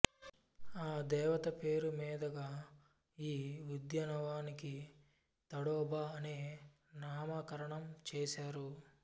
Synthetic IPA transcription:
aːd̪ɛːʋɐt̪ɐpeːɾumiːd̪ɐɡaː | iːud̪jɐnɐʋaːniki | t̪ɐɽɔːbʱaːneː | naːmɐkɐɾɐɳɐmt͡ʃeːʃaːɾu

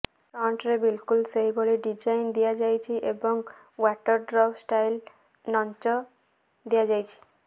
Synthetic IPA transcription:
ʈɾɔɳʈɾebilkulseɦiboɭiɖid͡ʒajnd̪ijad͡ʒajt͡ʃʰiʔebɔŋ | waʈɔɾɖɾɔbsʈajl | nɔnt͡ʃɔ | d̪ijad͡ʒajt͡ʃʰi̥

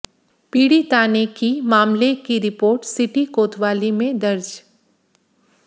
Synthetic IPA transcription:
piːɽit̪aːnekimaːmlekiɾɪpoːɾʈsɪʈikoːt̪ʋaːlimẽd̪ɐɾd͡ʒ

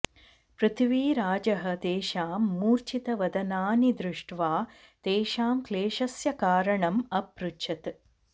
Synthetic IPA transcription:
pɾɨt̪ʰʋiːɾaːd͡ʒɐɦɐ̆t̪eːʃaːmːuːɾt͡ʃit̪ɐʋɐd̪ɐnaːnid̪ɾuʂʈʋaː | t̪eːʃaːmkleːʃɐsjɐkaːɾɐɳɐmɐpɾuʃʰɐt̪

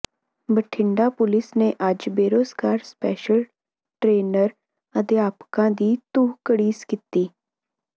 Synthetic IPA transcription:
bəʈʰɪɳɖaːpʊlɪsneːʔəd͡ʒbeːɾoːsɡaːɾspɛːʃəl | ʈɾeːnəɾ | ət̪eːaːpkãːd̪iːt̪uɦkəɽiːskit̪ːiː

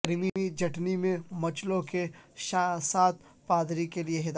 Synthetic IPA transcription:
ɾmiid͡ʒʱɐʈnimẽmɐt͡ʃlõkeʃasaːt̪̚paːd̪ɾikelieɦɪd̪

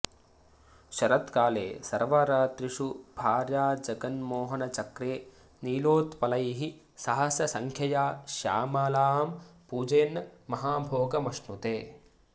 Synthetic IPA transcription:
ʃɐɾɐt̪kaːlḛːsɐ̰ɾʋɐɾaːt̪ɾiʂubʱaːɾjaːd͡ʒɐɡɐnmoːɦɐnɐt͡ʃɐkɾeː | niːloːt̪pɐlɐjɦi | sɐɦɐsjɐsɐŋkʰjɐjaːʃja̰ːmaːlaːɦɐmpuːd͡ʒɐjːnːɐmɐɦaːbʱoːɡɐmɐʂnut̪eː

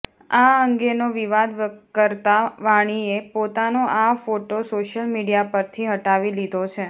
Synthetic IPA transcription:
aəŋɡenoʋiʋad̪ʋkəɾt̪aʋaɽ̃iepot̪anoʔafoʈosoʃəlmiɽijapəɾt̪ʰiɦəʈaʋilid̪ʱot͡ʃʰe

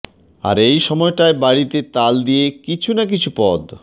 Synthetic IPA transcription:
a̰ɾejʃɔmɔeʈaebaɽit̪et̪ald̪ijekit͡ɕʰunakit͡ɕʰupɔd̪

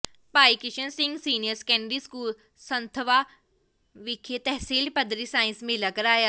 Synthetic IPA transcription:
paːiːkɪʃənsɪ̃ŋɡsiːnɪjəɾskɛ̃ːɳɖiːskuːl | sənt̪ʰəʋaː | ʋɪkʰet̪ɛɦsiːlpəd̪ɾiːsaːɪ̃nsmɪlaːkəɾaːjaː

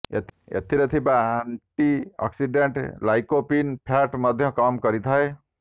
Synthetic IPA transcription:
ḛt̪ḛt̪ʰiɾet̪ʰibaaɳʈiɔ̰ksiɖeɳʈlajkopinpʰaʈmɔd̪ʱjɔ̃kamkɔɾit̪ʰae

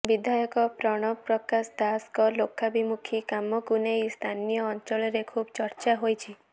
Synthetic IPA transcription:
bid̪ʱajɔkɔpɾɔɽ̃ɔpɾɔkasd̪askɔlokʰːabimukʰikamɔkunejst̪ʰanijɔːnt͡ʃɔlɔɾekʰubɔt͡ʃɔɾt͡ʃaɦojt͡ʃʰi

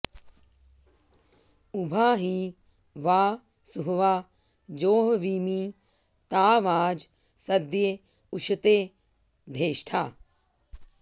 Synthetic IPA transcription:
ubʱaːɦi | ʋaː | suɦɐʋaː | d͡ʒoːɦɐʋiːmi | t̪aːʋaːd͡ʒ | sɐd̪je | uʃʰɐt̪eː | d̪ʱeːʃʈʰaː

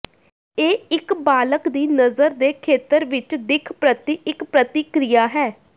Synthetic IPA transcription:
eːɪkbaːləkd̪iːnəzəɾd̪eːkʰeːt̪əɾʋɪt͡ʃd̪ɪkʰpɾət̪iɪkpɾət̪ɪkɾijaːɦɛː

